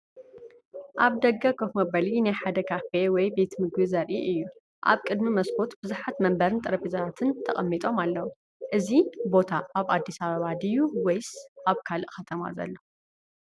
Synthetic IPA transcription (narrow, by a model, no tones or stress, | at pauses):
ʔaβd̪ɐɡɐkʰokmɐbɐlinajħad̪ɐkʰafewɔjbe̞t̪mɨɡbɨzɐɾʔiʔɨjːu | ʔa̰βkʼɨd̪mimɐskʰo̞t̪b̥ɨzuħat̪mɐmbɐɾɨnt̪ʼɨɾɐpizɐɾat̪ʰɨnt̪ʰɐχʼɐmːit̪ʼo̞malːɐwu | ʔɨzibo̞t̪ʰaʔaβad̪ːisaβɐβad̪ijuwejsʔaβkʰalɨʔxɐt̪ʰɐma̰zɐ̰lːo